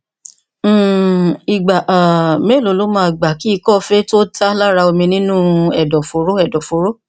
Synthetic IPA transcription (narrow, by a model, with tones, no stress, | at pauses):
i˨ɡ͡ba˨ʔa˨me˦˨lo˨˦lo˨˦mãː˦˧˨ɡ͡ba˨ki˦i˦˧kɔ˦˧fe˦to˦ta˦la˦ɾa˧o˧mĩ˧nĩ˦nũ˦ɛ˨dɔ˨fo˨˦ɾo˦ɛ˨dɔ˨fo˨˦ɾo˦